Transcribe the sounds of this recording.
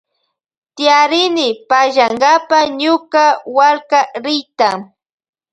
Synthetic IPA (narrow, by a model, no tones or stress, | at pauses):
t̪ɪjaɾɪnɪpaʒaŋɡapaɲʊkawalkaɾɪjt̪a